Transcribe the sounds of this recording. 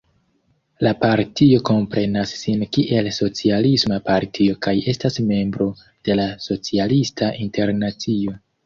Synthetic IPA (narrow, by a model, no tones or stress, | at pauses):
lapaɾtio̞ko̞mpɾe̞nasːinkiʔe̞lso̞t͡sialismapaɾtʰio̞kaje̞stasme̞mbɾo̞ | d̥e̞laso̞t͡sialistʰaʔinte̞ɾnat͡sio̞